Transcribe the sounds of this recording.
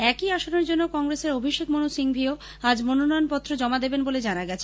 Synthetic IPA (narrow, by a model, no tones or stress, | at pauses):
ɛkiaʃoneɾd͡ʑonːokɔŋɡɾeseɾobʱiʃek̚monusiŋbʱio | ad͡ʑmononɔjonpɔt̪ːɾod͡ʑɔmad̪ebenboled͡ʑanaɡɛt͡ɕʰe